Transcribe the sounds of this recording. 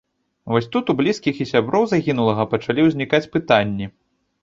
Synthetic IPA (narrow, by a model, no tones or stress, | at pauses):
vɔsʲt̪ut̪ublʲiskʲixisʲabɾɔwzaɣʲin̪ulˠɐɣɐpɐt͡ʂalʲiwzʲnʲikat͡sʲpɨt̪anʲːi